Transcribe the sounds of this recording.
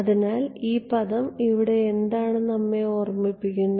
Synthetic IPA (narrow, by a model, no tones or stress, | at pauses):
ɐðinaːliːpɐðɐmiʋiɽe̞ːnd̪aːɳɨnɐmːeo̞ːrmipːik̬ʲːunːɐ